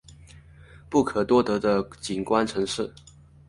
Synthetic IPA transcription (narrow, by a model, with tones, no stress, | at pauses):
pu˥˩kʰɤ˨˩t̪wɔ˥t̪ɤ˧˥d̪ə˧t͡ɕi˨˩nkwa˥nʈ͡ʂʰɤ˧˥ŋʂɻ̩˥˩